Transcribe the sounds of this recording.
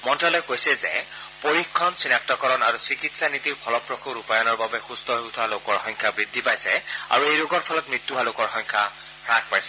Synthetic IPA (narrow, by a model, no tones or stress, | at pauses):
mɔntɹalɔkojsɛzɛ̰ | poɹikʰːɔnsinak̚tɔkɔɹɔnaɹusikitsanit̪iɹpʰɔlɔpɹɔkʰuɹupajɔnɔɹbabɛxustɔɦout̪ʰwalokɔɹxɔŋkʰabɹid̪ʱːipajsɛa̰ɹuejloɡɔɹpʰɔlɔt̚mɹit̪ːuɦalokɔɹxɔŋkʰa | ɹak̚ʰpajsɛ